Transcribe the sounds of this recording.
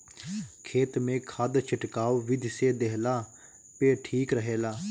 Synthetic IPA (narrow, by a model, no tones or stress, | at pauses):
kʰeːt̪mẽːkʰad̪t͡ʃʰɪʈkaːoʋɪd̪ʱseːd̪eɦlaː | peːʈʰiːkɾəɦeːlaː